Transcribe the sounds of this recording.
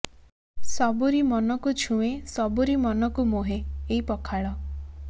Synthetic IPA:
sɔbuɾimɔnɔkut͡ʃʰũesɔbuɾimɔnɔkumoɦeːipɔkʰaɭɔ

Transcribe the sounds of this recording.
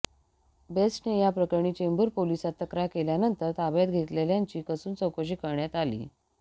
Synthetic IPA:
besʈnejapɾəkəɾɳiːt͡ɕembuɾpolisat̪ːəkɾaɦkeljanənt̪əɾt̪abjat̪̚ɡʱet̪leljaɲt͡ɕiːkəsuːnt͡səwkəɕ̬iːkəɾɳjat̪alḭː

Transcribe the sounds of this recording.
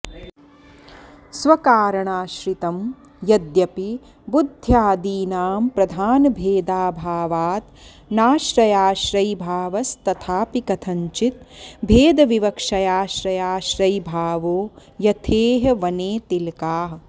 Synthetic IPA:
sʋɐkaːɾɐɳaːʃɾit̪ɐm | jɐd̪jɐpi | bud̪ʱjaːd̪iːnaːmpɾɐd̪ʱaːnɐbʱeːd̪aːbʱaːʋaːt̪ | naːʃɾɐjaːʃɾɐjbʱaːʋɐst̪ɐt̪ʰaːpikɐt̪ʰɐɲt͡ʃit̪̚bʱeːd̪ɐʋiʋɐkʂɐjaːʃɾɐjaːʃɾɐjbʱaːʋoːjɐt̪ʰeːɦɐʋɐneːt̪ilkaːɦɐ

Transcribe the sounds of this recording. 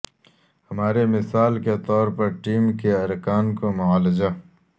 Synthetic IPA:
hɐmaːɾemɪsaːlket̪ɔːɾpɐɾʈiːmkeɐɾkaːnkomʊaːlɪd͡ʒa

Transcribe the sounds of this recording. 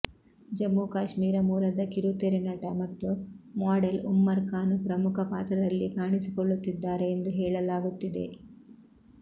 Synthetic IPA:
d͡ʒɐmːukaːʃmiːɾɐmuːlɐd̪ɐkiɾut̪eɾenɐʈɐmɐt̪ːumaːɖelumːɐɾkaːnupɾɐmukʰɐpaːt̪ɾɐd̪ɐlːikaːɳisikoɭːut̪ːid̪ːaːɾe̞ːnd̪uɦɛːɭɐlaːɡut̪ːid̪e̞̰

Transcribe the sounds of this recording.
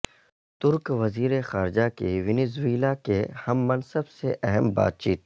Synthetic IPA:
t̪ʊɾkʋɐziːɾexaːɾɪd͡ʒakiʋɪnɪzweːlakehɐmːɐnsəbseʔɛɦɛmba̰ːt̪̚t͡ʃiːt̪̚

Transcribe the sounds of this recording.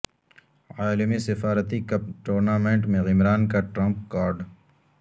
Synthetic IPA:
aːlɪmisɪfaːɾət̪ikɐʈoːɾnaːmẽɳʈmẽɣɪmɾaːnkaʈɾɐ̃mpkaːɾɖ

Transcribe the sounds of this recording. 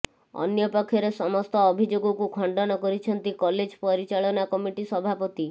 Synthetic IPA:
ɔ̰njɔpɔkʰːjɔɾesɔmɔst̪ɔːbʱid͡ʒoɡɔkukʰɔɳɖɔnɔkɔɾit͡ʃʰɔnt̪ikɔled͡ʒpɔɾit͡ʃaɭɔnakɔmiʈisɔbʱapɔt̪i

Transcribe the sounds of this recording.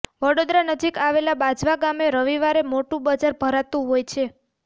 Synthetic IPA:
ʋəɽod̪ɾanəd͡ʒikaʋelabad͡ʒʋaɡameɾəʋiʋaɾemoʈũbəd͡ʒaɾbʱəɾat̪ũɦojt͡ʃʰe

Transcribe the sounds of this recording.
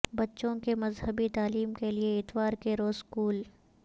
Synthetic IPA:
bɐtːʃõkemɐzɦəbit̪aːliːmkelieɪt̪waːɾkeɾoːzkuːl

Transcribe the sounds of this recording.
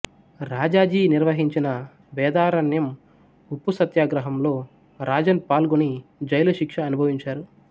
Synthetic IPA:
ɾaːd͡ʒaːd͡ʒiːniɾʋɐɦiɲt͡ʃinɐ | ʋɛːd̪aːɾɐnjɐm | upːusɐt̪jaːɡɾɐɦɐmlo̞ː | ɾaːd͡ʒɐnpaːlɡunid͡ʒɐjlɐʃikʂɐːnubʱɐʋiɲt͡ʃaːɾu

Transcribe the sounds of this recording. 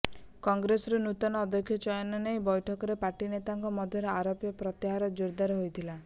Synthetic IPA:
kɔŋɡɾesɾenut̪ɔnɔːd̪ɔkʰːjɔt͡ʃɔjɔnɔnejbɔjʈʰɔkɔɾepaɾʈinet̪aŋkɔmɔd̪ʱjɔɾeaɾopjɔpɾɔt̪iɦaɾɔd͡ʒuɾd̪aɾeɦojt̪ʰila

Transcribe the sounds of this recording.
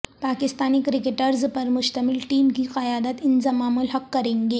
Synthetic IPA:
paːkɪst̪aːnikɾɪkɪʈəɾzpɐɾmʊʃt̪ɐmɪlʈiːmkiqɐjaːd̪ət̪ɪnzɐmaːmʊlɦɐqːɐɾẽːŋɡeː

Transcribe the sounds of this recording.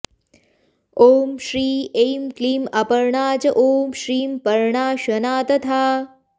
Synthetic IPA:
oːmʃɾiːejmkliːmɐpɐɾɳaːd͡ʒɐʔoːmʃɾiːmpɐɾɳaːʃɐnaːt̪ɐt̪ʰaː

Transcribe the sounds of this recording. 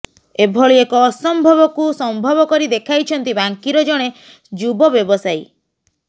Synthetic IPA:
ebʱɔɭiekɔːsɔmbʱɔβɔkusɔmbʱɔbɔkɔɾid̪ekʰajt͡ʃʰɔnt̪ibaŋkiɾɔd͡ʒɔɽ̃e | d͡ʒubɔbjɔbɔsaj

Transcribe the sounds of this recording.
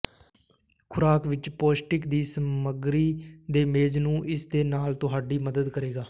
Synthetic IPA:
kʰʊɾaːkʋɪt͡ʃpoːsʈɪkd̪iːsəməɡɾiːd̪eːmeːd͡ʒnũːʔɪsd̪eːnaːlt̪ʊɦaːɖiːməd̪əd̪kəɾeːɡaː

